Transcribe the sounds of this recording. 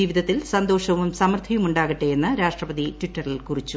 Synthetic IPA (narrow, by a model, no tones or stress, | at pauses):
iʋid̪ɐt̪ːilsɐnd̪o̞ːʂɐʋumsɐmɐrt̪ʰɐjumuɳɖaːɣiʈːeenːɨɾaːʂʈrɐpɐd̪itʋiʈːɐrilkurit͡ɕːu